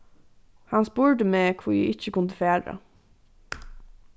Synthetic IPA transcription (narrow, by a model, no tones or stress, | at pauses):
hɑnspuːɹdəmeːkʰʋuːjḭʔɪçəkʊnd̪əfeːɾə̰